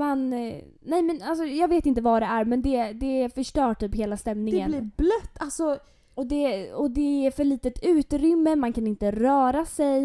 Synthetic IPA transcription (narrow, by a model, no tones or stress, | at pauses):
man | nɛjmɛnals̬ɔjɑːɡveːt̪ɪnt̪əvaɖ̪ɛæɾmɛnd̪ɛd̪ɛfœʂʈœːʈʰyːpɦeːlast̪ɛmnɪŋəniblœt̪ːalsɔ | ɔd̪ɛɔd̪ɛæɾfœɭiːt̪ət̪ʰʉ̟ːt̪ɾʏmːəmankʰanɪnt̪əɾœːɾasɛj